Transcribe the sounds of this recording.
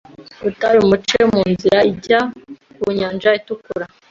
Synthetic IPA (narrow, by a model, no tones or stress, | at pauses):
utaɾiumut͡ʃemuːnziɾaiɟakuɲaːnd͡ʒaitukuɾa